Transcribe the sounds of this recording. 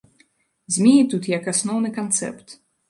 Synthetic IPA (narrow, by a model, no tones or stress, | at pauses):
zʲmʲijʲit̪ut̪jakasnɔwnɨkant̪sɛ̰pt̪